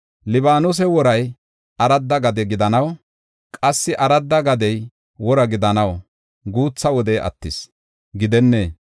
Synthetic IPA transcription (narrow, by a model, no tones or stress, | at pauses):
lɪbaːnʊs̬ɛwɔɾɐj | ɐɾɐd̪ːɐɡɐd̪ɛɡɪd̪ɐnɐw | kʼɐsːɪʔɐɾɐd̪ːɐɡɐd̪ɛj | wɔɾɐɡɪd̪ɐnɐw | ɡuːt͡sːɐwɔd̪ɛʔɐ̰t̪ːɪs | ɡɪd̪ɛnːeː